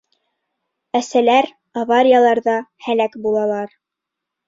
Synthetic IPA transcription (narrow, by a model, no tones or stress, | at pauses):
æsælæɾ | avaɾʲɪjalˠɑɾðɑhælækbulˠɑlˠɑɾ